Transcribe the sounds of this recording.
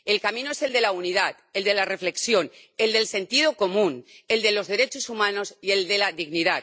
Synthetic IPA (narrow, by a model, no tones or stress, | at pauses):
elkamĩnoese̞ld̪e̞launiðat̪eld̪e̞lare̞fle̞ksjo̞n | eld̪e̞lse̞nt̪ið̞okomũne̞ld̪e̞lo̞zðe̞ɾet͡ʃosumãnosie̞ld̪elaðiɣniðat̪